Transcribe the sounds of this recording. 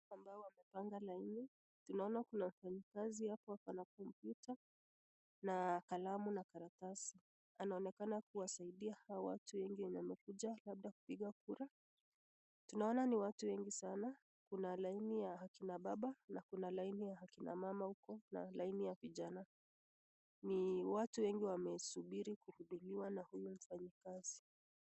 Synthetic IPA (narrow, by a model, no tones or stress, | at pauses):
ambaɔwamɛpaŋɡalaini | tunaɔnakunam̩faɲikazihapɔakanak̚ɔmpjuta | nakalamunakaɾatasi | anaɔnɛkanakuwasaiɗiahawɔwa̰tuwɛŋɡiwɛɲamɛkuʄalab̚ɗaku̥piɠakuɾa | tunaɔnaniwatuwɛŋɡisana | kunalainijahakinaɓaɓanakunalainijahakina̰mamahukɔna̰lainijaviʄana | niwatuwɛŋɡiwamɛsuɓiɾikuhuɗuliwanahujum̩faɲikazi